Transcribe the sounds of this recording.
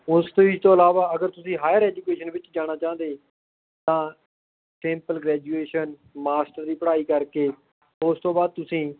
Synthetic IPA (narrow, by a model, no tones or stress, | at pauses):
ʊst̪õːɪd͡ʒt̪õːəlaːʋaːəɡəɾt̪ʊsĩːɦaːjəɾɛːd͡ʒukeːʃənʋɪt͡ʃd͡ʒaːɽ̃aːt͡ʃãːnd̪eː | t̪ãː | ʈɛ̃ːmpəlɡɾɛːd͡ʒuːeːʃən | maːsʈəɾd̪iːpəɽaːiːkəɾkeː | ʊst̪õːbaːd̪̚t̪ʊsĩː